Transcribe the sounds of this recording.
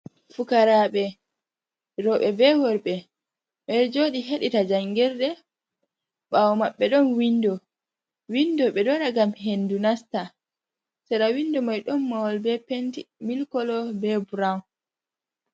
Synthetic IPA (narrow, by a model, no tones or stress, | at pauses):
fukaɾaɓɛ | ɾɔɓɛbɛwɔɾɓɛ | mɛɾd͡ʒoːɗiɦeɗitad͡ʒaŋɡɛɾdɛ | ɓawɔmaɓːɛɗɔnwindɔ | windɔɓɛdɔnaɡamhendunasta | sɛɾawindɔmajɗɔnːɔwɔlbɛpentimilkɔlɔbɛbuɾaw